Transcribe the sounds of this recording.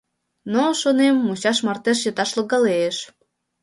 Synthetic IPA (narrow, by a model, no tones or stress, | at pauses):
noʃonemːut͡ɕɑʃmɑrt̪eʃ̬jət̪ɑʃlɤɣɑleeʃ